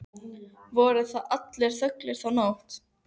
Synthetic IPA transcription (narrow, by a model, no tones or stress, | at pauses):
vɔːɾʏθaðʔat̪lɛɾ̥θœklɪɾ̥θawnawht̪